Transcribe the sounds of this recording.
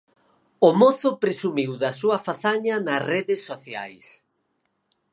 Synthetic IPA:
ʊmoθʊpɾesumiwðɐsuɐfaθaɲɐnɐsreðɪsːoθja̰js

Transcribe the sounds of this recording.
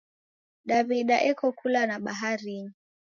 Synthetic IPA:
ɗaβiɗaʔɛkɔkʰulanaɓaɦaɾiɲi

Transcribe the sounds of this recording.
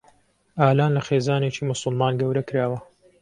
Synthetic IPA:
ʔaːlaːnlɐxeːzaːneːt͡ʃiːmʊsˤʊlmaːnɡɐwɾɐkɨɾaːwɐ

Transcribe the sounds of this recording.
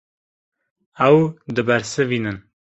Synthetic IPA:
æwd̪ɨbæɾsɨviːnɨn

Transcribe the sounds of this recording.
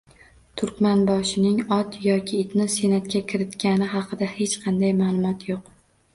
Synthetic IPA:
t̪ʰʊɾkʲmanbɒʃɪnɪŋɒt̪jɒkʲʰɪːt̪nɪsenat̪kʲakʲʰɪɾɪt̪kʲanɪɦɑqʰɨd̪ahet͡ʃqʰɑnd̪ajmaːlˠʊmɒt̪ʰjoq

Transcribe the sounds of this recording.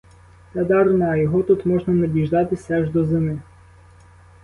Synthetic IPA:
t̪ɛd̪ɑɾnaːjɔɦɔt̪ut̪mɔʒnɐnɐbʲiʒd̪ɑt̪ɪsɛʒd̪ɔzɪmɪ

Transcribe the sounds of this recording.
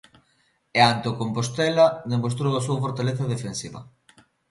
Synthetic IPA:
eant̪okompost̪ɛlɐd̪emost̪ɾowasuafoɾt̪aleθɐðefensiβɐ̰

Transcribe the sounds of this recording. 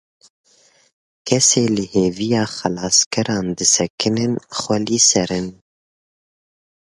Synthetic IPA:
kʰɛseːlɨheːvijɑːxɛlɑːskʰɛɾɑːnd̪ɨsɛkʰɨnɨnxʷɛliːsɛɾɨn

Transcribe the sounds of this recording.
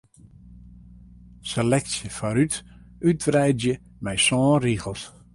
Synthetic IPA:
selɛk̚sjəfaɾytyt̚brɛjdjə | mɛjsɔ̃ːriɣəlˠs

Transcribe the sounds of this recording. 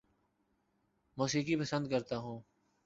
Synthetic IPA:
moːsiːkiːpəsə̃nd̪kəɾt̪aːɦũː

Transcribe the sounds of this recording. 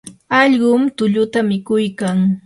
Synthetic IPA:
ɑʎɢʊmt̪ʊʎʊt̪amɪkʊjkaŋ

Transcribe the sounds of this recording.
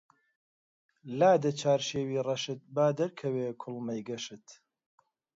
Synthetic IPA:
laːd̪ɐt͡ʃʰaːɾʃeːwiːrɐʃɨt̪̚baːd̪ɐɾkʰɐweːkʰʊlmɐjɡɐʃɨt̪

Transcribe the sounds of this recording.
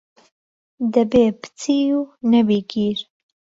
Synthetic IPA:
d̪ɐbeːpɨ̥t͡sʰiːunɐbiːɡiːɾ

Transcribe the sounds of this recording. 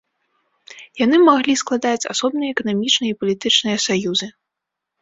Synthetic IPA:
janɨmaɣlʲisklˠad̪at͡sʲa̰sɔbnɨjɐɛkɐnamʲit͡ʂnɨjɐipɐlʲit̪ɨt͡ʂnɨjɐsajuzɨ

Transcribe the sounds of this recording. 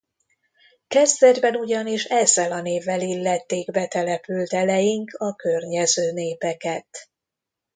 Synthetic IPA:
kɛzd̪ɛd͡ʒbɛnuɟɒniʃɛzːɛlɒn̪eːvːɛlilːɛt̪ːeːɡbɛt̪ɛlɛpylt̪ɛlɛjiŋkɒkørɲɛzøːneːpɛkɛt̪

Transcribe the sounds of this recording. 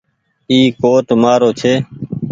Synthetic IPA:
iːkoːʈ̪maːɾoːt͡ʃʰeː

